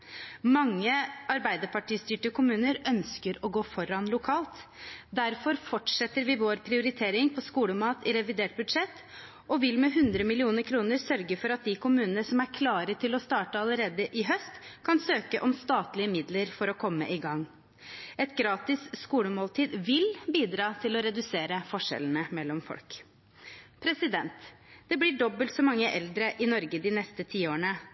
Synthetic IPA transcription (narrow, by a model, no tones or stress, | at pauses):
mɑŋːəɑɾbæɪd̪əpɑʈiːst̪yːʈəkʊmʉːnəɾœnskəɾɔɡoːfɔɾɑnlʊkʰɑːlt̪d̪æɾfɔɾfɔʈʂɛt̪ːəɾʋɪʋoːɾpʰɾɪʊɾɪt̪ʰeːɾɪŋpʰɔskuːləmɑːt̪ɪɾɛʋɪd̪eːʈ̚bʉd̪ʂɛt̪ː | ɔʋɪlmɛɦʉnd̪ɾəmɪlɪuːnəɾkʰɾuːnəɾsœɾɡəfɔɾɑt̪̚d̪ɪkʰʊmʉːnənəsɔmæɾkʰlɑːɾət̪ʰɪlɔst̪ɑːʈəɑləɾeːd̪əʔɪɦœst̪kʰɑnsøːkəʔɔmst̪ɑːt̪lɪəmɪd̪ləɾfɔɾɔkʰɔmːə̰ʔɪɡɑŋː | ɛt̪ɡɾɑːt̪ɪsskuːləmoːlt̪ʰiːd̪ʋɪlbiːd̪ɾɑːt̪ʰɪlɔɾɛd̪ʉseːɾəfɔʂɛ̰lənəmɛlːɔmfɔ̰lk | pʰɾɛsɪd̪ɛnt̪d̪̥ɛblɪɖɔbəlt̪sɔmɑŋːəʔɛld̪ɾəʔɪnɔɾɡəd̪ɪnɛst̪ət̪ʰiːoːɳə